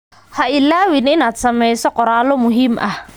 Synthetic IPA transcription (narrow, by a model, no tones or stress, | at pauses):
haʔilawininat͡samɛjsɔkɔɾalomuɦimʔa